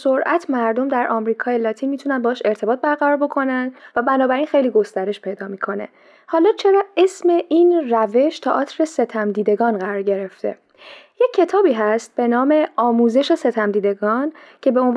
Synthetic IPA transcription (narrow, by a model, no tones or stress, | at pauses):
soɾʔæt̪ʰmæɾd̪o̞md̪æɾʔɒmɾiːkʰɒːjelɒːt̪ʰiːnmiːt̪ʰunænbɒːʃe̞ɾt̪ʰe̞bɒːt̪̚bæɾɣæɾɒːɾbo̞kʰo̞nænd̪væbænɒːbæɾiːnxe̞jliːɡo̞st̪æɾe̞ʃpʰe̞jd̪ɒːmiːkʰo̞ne̞̰ | hɒːlɒːt͡ʃʰe̞ɾɒe̞sme̞ʔiːnræve̞ʃt̪ʰɒːʔɒːt̪ʰɾese̞t̪ʰæmd̪iːd̪e̞ɡɒːnɢæɾɒːɾɟe̞ɾe̞ft̪e̞̰ | je̞cʰːe̞t̪ʰɒːbiːɦæst̪̚b̥e̞nɒːme̞ɒːmuːze̞ʃese̞t̪ʰæmd̪iːd̪e̞ɡɒːncʰe̞be̞on